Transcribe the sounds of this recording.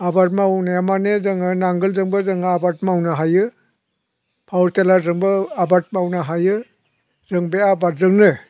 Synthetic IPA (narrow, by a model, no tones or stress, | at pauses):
abaɾ̚mawnajamanezɯŋɯnaŋɡɯlzɯŋbɯzɯŋabat̚mawnɯɦajɯ | pʰawɾtelaɾzɯŋbɯabat̚mawnɯɦajɯ | zɯŋbeabat̚zɯŋnɯ